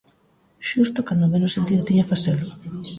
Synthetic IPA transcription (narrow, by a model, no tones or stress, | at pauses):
ʃust̪ʊkand̪omenʊsent̪iðot̪iɲafaselʊ